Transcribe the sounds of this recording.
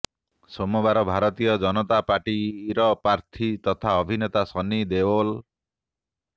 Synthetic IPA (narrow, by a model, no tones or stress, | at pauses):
sɔmɔbaɾɔbʱaɾɔt̪ijɔd͡ʒɔnɔt̪apaʈiːɾɔpaɾt̪ʰit̪ɔt̪ʰaɔbʱinet̪asɔnid̪ebol